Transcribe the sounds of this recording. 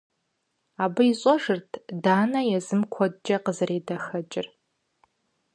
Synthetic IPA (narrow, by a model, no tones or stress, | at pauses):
aːbɨiɕʼɔʐɨrtʰdaːnɐjɛzɨmkʷʰɔdd͡ʒʼɐqəzɨreːdɐxɐt͡ʃʼɪr